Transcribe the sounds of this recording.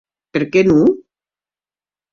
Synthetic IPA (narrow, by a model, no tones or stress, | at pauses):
peɾkenu